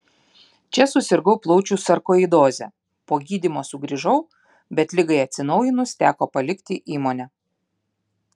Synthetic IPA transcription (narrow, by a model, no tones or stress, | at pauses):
t͡ʃʲɛsʊsʲɪɾɡɒʊplˠɔʊt͡ʃʲuːsɐɾkoːid̪oːzʲɛ̰ | poːɡʲiːd̪ʲimoːsʊɡɾʲiʒɐʊ | bʲɛt̪ʲlʲɪɡɐɪɐt̪ʲsʲɪnɐʊjɪnʊst̪ʲæːkoːpɐlʲɪkt̪ʲɪʔiːmoːnʲɛ